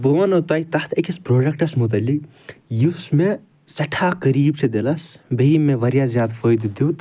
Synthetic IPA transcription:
boʋɐnɐt̪aːit̪ɐt̪ʰekispɾoːɖɐkʈɐsmut̪̬ɐlːik | jusme | sɐʈʰaːkəɾiːbʈʰed̪elɐsbeimːeʋɐɾjazjaːd̪fʰəːjd̪d̪uwt̪

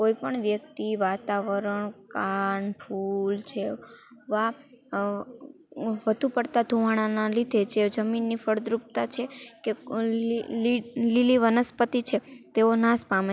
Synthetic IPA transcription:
koipəɳʋjək̚t̪iʋat̪aʋəɾəɳkaɳpʰult͡ʃʰeʋa | ʋəd̪ʱupəɽt̪ad̪ʱuʋaɽ̃analid̪ʱet͡ʃʰed͡ʒəminːifəɽd̪ɾup̚t̪at͡ʃʰeke | liliʋənəspət̪it͡ʃʰet̪eonaspame

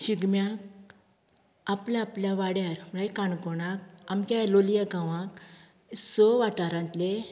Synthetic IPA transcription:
ɕiɡmjak̚ | aplaːpljaʋaɽjaɾɭajkaɳkɔɽak̚amkʲalolijaɡãʋãk | sɔʋaʈaɾãnt̪le

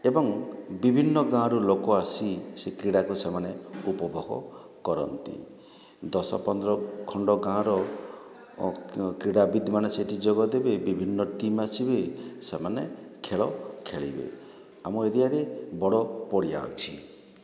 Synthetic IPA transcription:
ebɔŋbibʱinːɔɡãɾulokɔasisekɾiɽakusemaneupɔbʱɔɡɔ̰ | kɔɾɔ̰nt̪ḭ | d̪ɔsɔ̰pɔnd̪ɾɔkʰɔɳɖɔɡãɾɔ | kɾiɽabid̪ʱmaneseʈʰid͡ʒoɡɔd̪ebebibʱinːɔʈimasibesemanekʰeɭɔkʰeɭḭbḛ | amɔeɾijaɾebɔɽɔpɔɽija̰ɔ̰t͡ʃʰi

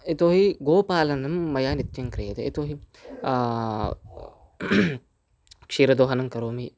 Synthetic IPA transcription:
it̪oːɦiɡoːpaːlɐnɐmːɐjaːnit̪t͡ʃɐŋkɾeːd̪eḭt̪oːɦi | kʃiɾɐd̪oːɦɐnɐŋkɐɾoːmi

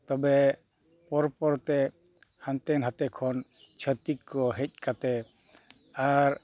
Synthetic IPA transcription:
t̪ɔbɛ | pɔɾpɔɾt̪ɛ | hant̪ɛnɦat̪ɛkʰɔn | t͡ʃʰət̪ikːɔɦɛc̚kat̪ɛ | aɾ

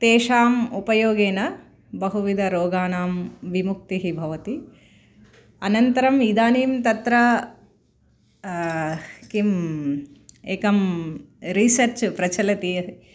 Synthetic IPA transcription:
t̪eːʂaːmupɐjoːɡeːnɐ | bɐɦuʋid̪ʱɐɾoːɡaːnaːmʋimuk̚t̪iɦibʱɐʋɐt̪i | ɐnɐnt̪ɐɾɐmid̪aːniːmt̪ɐt̪ɾɐ | kim | eːkɐm | ɾisɐɾt͡ʃpɾɐt͡ʃɐlɐt̪ijɐɦ

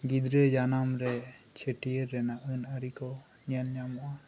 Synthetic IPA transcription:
ɡid̪ɾed͡ʒanamɾɛ | t͡ʃʰəʈiəɾːɛnaʔɯnaɾikɔ | ɲanɲamɔʔa

